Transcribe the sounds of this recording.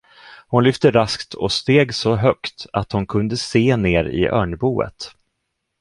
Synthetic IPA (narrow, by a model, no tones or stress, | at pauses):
hʊnlʏft̪əɾaskt̪ʰɔst̪eːɡsɔɦœkt̪at̪hʊnkʰɵnd̪əseːneːɾɪ̰ʔœːɳbuːə̰t̪